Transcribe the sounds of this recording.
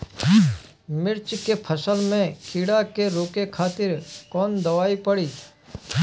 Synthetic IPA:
mɪɾt͡ʃkepʰəsəlmẽkʰɪɽakeɾoːkekʰaːt̪ɪɾkɔːnd̪əʋaːipəɽiː

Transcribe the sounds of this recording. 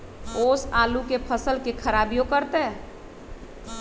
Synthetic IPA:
oːsaːlukepʰəsəlkekʰəɾaːbijokəɾt̪e

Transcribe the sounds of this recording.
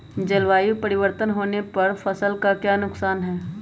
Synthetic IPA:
d͡ʒɐlʋaːjupɐɾɪʋəɾt̪ənɦoːnepɐɾfɐsəlkakjaːnʊksaːnɦɛː

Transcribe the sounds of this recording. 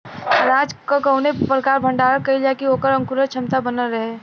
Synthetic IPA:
ɾaːd͡ʒkakəʊnepɾəkaːɾbʱə̃ɳɖaːɾəkɐɦilakioːkəɾɐ̃ŋkuɾət͡ʃʰɐmt̪abənəlɾɐɦe

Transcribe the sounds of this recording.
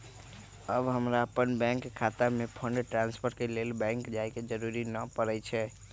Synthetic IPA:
əbɦəmɾaəpənbɛ̃ŋkkʰat̪əɾmepʰəɳɖʈɾãnspʰəɾʈkelelbɛ̃ŋkd͡ʒajked͡ʒəɾuɾinəpəɾɛt͡ʃʰɛ

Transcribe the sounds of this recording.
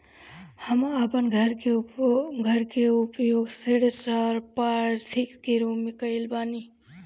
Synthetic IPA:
həməpənɡʱəɾeɡʱəɾkeupjoɡseɽesɾəɾpaɾd̪ʰʱikkeɾumːekəɪlbani

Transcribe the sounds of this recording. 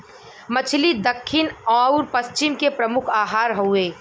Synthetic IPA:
mɐt͡ʃʰlid̪ɐkʰːɪnɔːʊɾpɐst͡ʃɪmkepɾɐmʊkʰaːɦaːɾɦoeː

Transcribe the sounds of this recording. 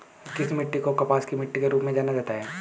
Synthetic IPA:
kɪsmɪʈːikokɐpaːskimɪʈːikeɾuːpmẽd͡ʒaːnad͡ʒaːt̪aɦɛː

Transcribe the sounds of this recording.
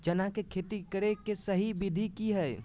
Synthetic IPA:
d͡ʒənakekʰet̪ikəɾekesəɦibid̪ʱikiɦəj

